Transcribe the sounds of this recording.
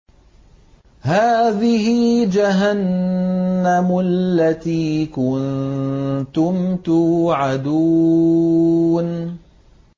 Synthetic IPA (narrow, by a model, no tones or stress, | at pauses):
haːðɪhɪd͡ʒaɦanː | amʊllːat̪iːkʊn | t̪ʊmt̪ʊʕad̪uː | n